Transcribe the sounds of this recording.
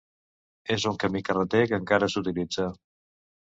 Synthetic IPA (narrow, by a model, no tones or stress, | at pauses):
ezuŋkəmikərət̪ekəŋkaɾəsut̪ilid͡za